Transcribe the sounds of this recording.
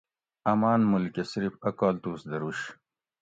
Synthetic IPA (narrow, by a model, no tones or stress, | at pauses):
ɐmaːnmulkʲesɾifɐkaːlt̪uːsd̪ɐɾuɕ